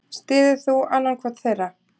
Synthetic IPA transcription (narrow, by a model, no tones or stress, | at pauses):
st̪ɪːðʏθuanːankʰvɔt̪θejra